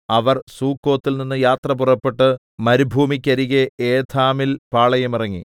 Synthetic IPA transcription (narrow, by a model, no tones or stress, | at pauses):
ɐʋɐrsuːkːo̞ːt̪ːilninːɨjaːt̪rɐpurɐpːe̞ʈːɨ | mɐɾubʱuːmikʲːɐɾiɣeeːd̪ʰaːmilpaːɭɐjɐmirɐŋːi